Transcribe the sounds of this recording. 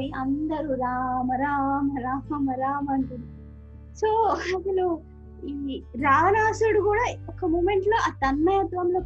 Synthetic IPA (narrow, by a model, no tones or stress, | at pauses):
iɐnd̪ɐɾuɾaːmɐɾaːmɐɾaːmɐɾaːmɐɳʈuni | soːɐt̪ɐnu | iːɾaːʋɐnaːsuɽukuːɽaːɔkːɐmuːmeɳʈlo̞ːʔaːt̪ɐnːɐjɐt̪ʋɐmloː